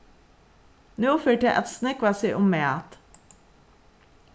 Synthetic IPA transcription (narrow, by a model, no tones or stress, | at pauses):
nuːføːʈəʔɛ̰t̪snɛkʋɑːsiʔʊmːeːɑ̰t̪